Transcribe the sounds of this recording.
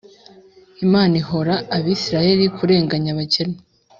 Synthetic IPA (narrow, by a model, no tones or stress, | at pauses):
imaːniɦo̞ɾaːβiːsiɾaje̞ɾikʰuɾe̞ːŋɡaɲaβacene